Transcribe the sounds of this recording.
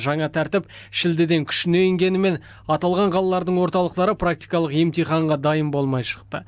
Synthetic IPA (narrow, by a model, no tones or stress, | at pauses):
ʒɑɴɑt̪ʰæɾt̪ɪp | ʃɪld̪ɪd̪e̞ŋkʲʰʏ̥ʃɪnejɪŋɡʲe̞nɪme̞n | ɑt̪ɑlˠʁɑɴqʰɑlˠɑlˠɑɾd̪əɴwo̞ɾt̪ɑlˠəqt̪ɑɾəprak̚t̪ijkɑlˠəqje̞mt̪ijχɑɴʁɑd̪ɑjəmbo̞lˠmɑjʃə̥q̚t̪ə̰